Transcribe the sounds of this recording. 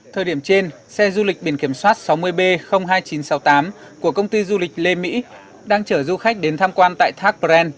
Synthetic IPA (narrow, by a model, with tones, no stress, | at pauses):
t̪ʰəː˨˩jɗi˧˩əmt͡ɕe˧n | sɛ˧zu˧lï˨˩k̚ɓḭ˧˩ənki˧˩əmswaː˦˥t̚sa˨˦wmɨ˧əjɓe˧xə˧wŋ͡mɦaː˧jt͡ɕi˨˦nsa˨˦wt̪aː˨˦m | ku˧˩əkə˧wŋ͡mt̪i˧zu˧lï˨˩k̟̚le˧mḭ˧˥ | ɗaː˧ŋt͡ɕəː˧˩zu˧xa˦˥k̟̚ɗe˨˦nt̪ʰaː˧mkwaː˧nt̪a̰ː˧˨jt̪ʰaː˦˥k̚pɛ˧n